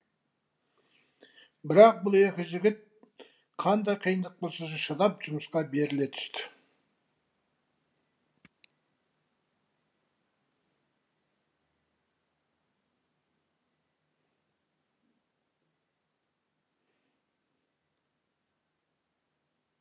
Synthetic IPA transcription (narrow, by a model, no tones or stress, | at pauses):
bɪɾɑq̚bʊlˠe̞kʲɪʒɪɡʲɪt̪̚ | qʰɑnd̪ɑjqʰijənd̪əq̚bolˠsɑʒɑʃɑd̪ɑpʒ̥ʊməsqɑbe̞ɾɪle̞t̪ʰʏ̥st̪ɪ̥